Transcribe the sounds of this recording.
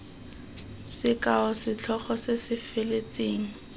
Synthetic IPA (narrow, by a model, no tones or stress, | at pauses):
sɪkaɔsɪt͡ɬʰɔχɔsesɪfɪlet͡sʼeːŋ̩